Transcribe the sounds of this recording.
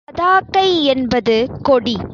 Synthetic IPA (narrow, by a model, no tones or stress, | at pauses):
ɐðaːkːɐɪɛnbɐðɯkɔɽi